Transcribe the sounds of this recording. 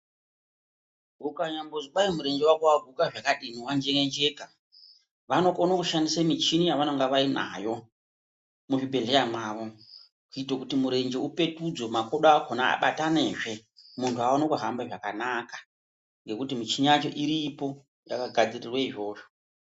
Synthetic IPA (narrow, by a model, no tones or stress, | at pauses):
ukaɲambozoɓaimuɾe̞nd͡ʒewakuaɡʱukaʐakaɗiniwand͡ʒeŋend͡ʒe̞ka | ʋano̞konokuʃandisamit͡ʃinijaʋanoŋɡaʋaina̰jo̞ | muʐibʱe̞ɮe̞jamaːʋo̞ | kuitokutimuɾe̞nd͡ʒe̞upe̞tud͡zo̞makoɗaːkʰona̰ːɓatane̞ʐe̞muntʰuaonokuɦambaʐakanakḁ | ŋɡe̞kutimit͡ʃiɲat͡ʃo̞ʔiɾipo̞ | jakaɡʱad͡zirirweiʐo̞ːʐo